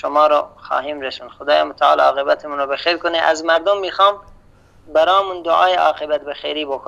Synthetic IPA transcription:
ʃomɑːɾɔxɑ̰ːɦiːmɾesunxod̪ɑːjemot̪ʰæɑ̰ːlɒ̰ːqebæt̪ʰemuːnɾɔbexejɾkoneʔæzmæɾd̪omːiːxɑːm | bæɾɑːmund̪oʔɑːjeʔɑːqebæt̪̚bexḛjɾiːbokʰo

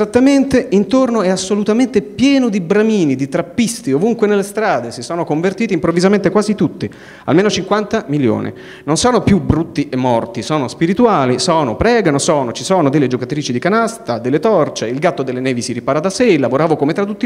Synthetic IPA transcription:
zat̪ːament̪eint̪ornoɛasːolut̪ament̪epjɛːnod̪ibɾamiːnid̪it̪ɾapːist̪iovuŋkwenelːest̪ɾaːd̪esisɔːnokoɱvert̪iːt̪impɾovːizament̪ekwaːzit̪ut̪ːi | a̰lmeːnot͡ʃiŋkwant̪amiljo̰ːnʔḭ | nonsɔːnopjubɾut̪ːiʔemːɔrt̪isɔːnospiɾit̪uaːlisɔːnopɾɛːɡanosɔːnot͡ʃisɔːnod̪elːed͡ʒokat̪ɾiːt͡ʃid̪ikanast̪ad̪elːet̪ɔrt͡ʃeilɡat̪ːod̪elːenɛːvisiɾipaːɾad̪aselːavoɾaːvokomet̪ɾad̪ut̪ːi

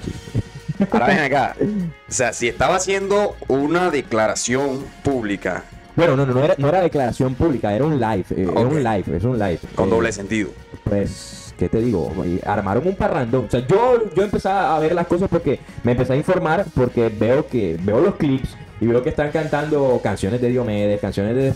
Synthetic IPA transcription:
sḭ | aɾaβeaka̰oseasiest̪aβasje̞nd̪o̞unaðeklaɾasjo̞mpuβlika̰ | bwe̞nono̞nonoeɾano̞eɾaðe̞klaɾasjo̞mpuβlikae̞ɾaunlajfḛaunlajfḛsunlajfkod̪oβles̬ent̪iðo̰ | pwe̞s | ke̞t̪e̞ðiɣo̞̰ḛa̰ɾma̰ɾo̞ŋumparand̪oŋosead͡ʒod͡ʒoempe̞saaːβe̞ɾlasko̞saspo̞ɾke̞ | meːmpe̞seaiɱfo̞ɾmaɾpo̞ɾke̞be̞okebe̞olo̞sklips | iβe̞okest̪aŋkant̪and̪o̞kansjo̞ne̞zd̪e̞ðjomeðeskansjonezðee

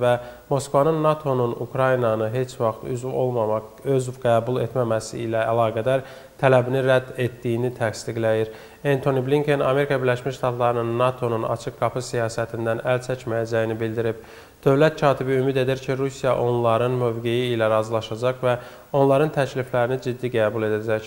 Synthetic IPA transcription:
væmo̞skvɑnɯnːɑt̪ʰo̞nunṵkʰɾɑjinɑnɯɦe̞t͡ʃʰvɑχt̪y̰zvo̞̰lˠmɑmɑ | øzɡæːbulˠe̞t̪mæmæsiilæælˠɑːɡæd̪æɾ | t̪ʰælæbiniɾæd̪ːe̞t̪ːijinit̪ʰækst̪iɡlæjiɾ | ent̪ʰo̞nibliŋkʰe̞nɑ̰me̞ɾikʰɑbiɾlæʃmiʃʃt̪ɑt̪lˠɑɾɯnɯnːɑt̪ʰo̞nunɑ̰t͡ʃʰɯk̚ɡɑpʰɯsijɑːsæt̪ʰind̪ænælt͡ʃʰæcmæjæd͡ʒæjinibild̪iɾib̥̚ | d̪̥ø̞vlæt̪̚cʰɑːt̪ʰibiymid̪e̞d̪iɾcʰiɾusijɑʔo̞nlˠɑɾɯnmø̞vɡe̞jiːlæɾɑzilˠɑʃɑd͡ʒɑχvæ | o̞nlˠɑɾɯnt̪ʰæcliflæɾinid͡ʒid̪ːiɡæːbulˠe̞d̪æd͡ʒæc

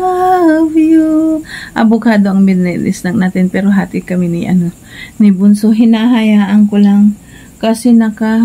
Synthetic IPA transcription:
aavjuʔɐ̰bokaːd̪oʔɐŋmɛd̪nɛlɪ̰snɐŋnaːt̪ɪnpɛːɾoɦaːt̪ɪkɐmɪnɪʔɐ̰no | nɪbʊnsoɦɪnaɦɐjaːʔɐŋkolaŋ | kɐsinɐka

